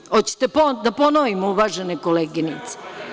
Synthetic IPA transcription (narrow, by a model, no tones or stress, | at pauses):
ot̪t͡ɕe̥t̪epod̪aponoʋimouʋaːʒenekoleɡinit̪se̥